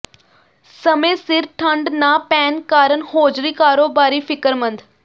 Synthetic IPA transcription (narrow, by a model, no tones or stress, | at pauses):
səmẽːsɪɾʈʰə̃ɳɖnaːpɛːnkaːɾənhoːd͡ʒɾiːkaːɾoːbaːɾiːfɪkəɾmə̃nd̪